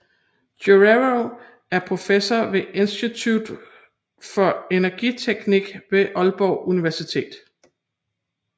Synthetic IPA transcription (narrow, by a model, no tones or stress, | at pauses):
oʁeo | æɐpʰʁo̝fesɐʋe̝ʔe̝nsd̥it͡sʰud̥ | fɒ̽e̝nɐɡ̥it͡sʰeɡ̥niɡ̥ʋe̝ʔɒ̽lb̥ɒʊʔuniʋæɐsit͡sʰe̝̰ːd̥